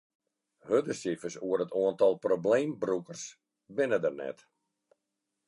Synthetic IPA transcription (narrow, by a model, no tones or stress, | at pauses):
hødəsifəsuərətʰoəntɔlˠprobleːmbrukərs | bɪnədərnɛ̰t